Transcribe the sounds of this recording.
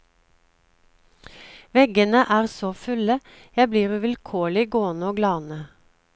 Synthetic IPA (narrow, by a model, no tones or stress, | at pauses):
ʋɛɡənəʔæːʁsoːfʉlə | jæbliːʁʉːʋɪlkʰoːɭɪɡoːənəoːɡlɑːnə